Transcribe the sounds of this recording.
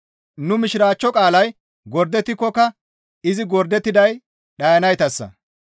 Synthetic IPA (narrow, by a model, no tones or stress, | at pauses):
nʊmɪʃɪɾaːt͡ʃːɔkʼaːlɐj | ɡɔɾd̪ɛt̪ːɪkːɔkɐ | ɪzɪɡɔɾd̪ɛt̪ːɪd̪ɐj | ɗɐjɐnɐjt̪ɐsːɐ̰